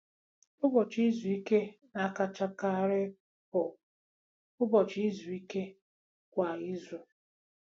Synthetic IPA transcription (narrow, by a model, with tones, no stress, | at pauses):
ʊ˦bɔ˨t͡ʃi˦zu˨i˦ke˦ | na˨˦˨ka˦t͡ʃa˦ka˦˨ɾɪ˦ | pɔ˨ | ʊ˦bɔ˨t͡ʃi˦zu˨i˦ke˦ | kʷa˨i˦zu˨